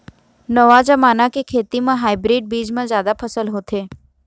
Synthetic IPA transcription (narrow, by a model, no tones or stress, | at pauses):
nəʋad͡ʒəmanakekʰet̪imãɦaibɾiɖ̚bid͡ʒmãzjad̪apʰəsəlɦot̪ʰe